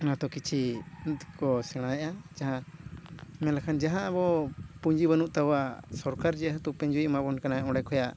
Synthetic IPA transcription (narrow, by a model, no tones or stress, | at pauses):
nãt̪ɔkit͡ʃʰi | kɔsɛɽ̃ãjɛʔad͡ʒaɦã | mɛlakʰand͡ʒaɦãbɔpuɲd͡ʒiβanuʔt̪awasɔɾkaɾd͡ʒɛat̪upɛɲd͡ʒuiʔmabɔnkanaʔɔ̃ɽɛkʰɔjaʔ